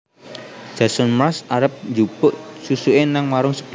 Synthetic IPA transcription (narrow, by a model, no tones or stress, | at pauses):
d̥ʒ̥a̤sɔnmɾasaɾəp̚nd͡ʒub̥ʊʔsusuʔenaŋwaɾʊŋsə̥b̥